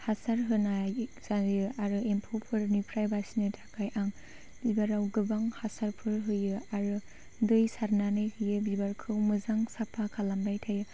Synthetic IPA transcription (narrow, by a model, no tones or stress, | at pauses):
hasaɾɦɯnazajɯaɾɯempʰɔpʰɯɾnupʰɾajbasinɯtʰakʰajʔaŋ | bibaɾawɡɯbaŋhasaɾpʰɯɾɦɯjɯaɾɯ | dɯjsaɾnanɯjhɯjɯbibaɾkʰɯwmɯzaŋsapʰakʰalambajtʰajɯ